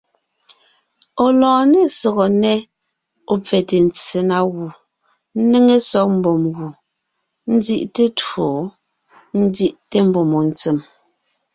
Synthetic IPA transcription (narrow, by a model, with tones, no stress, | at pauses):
o˨lɔ̃ː˨ne˦sɔ˨ɣɔ˨nɛ˦ | o˨p͡fɛ˨te˨n˨t͡se˨na˦ɣu˨ | n̩˦ne˦ŋe˦sɔ˦k̚m̩˨bo˨mɣu˨ | n̩˦zi˦ʔte˦two˨ | n̩˦zi˦ʔte˦m̩˦bo˨mo˨n̩˨t͡se˨m